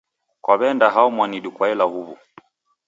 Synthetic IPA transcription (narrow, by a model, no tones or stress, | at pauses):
kwaβɛndaɦaumwaniɗukwaɛlahuβṵ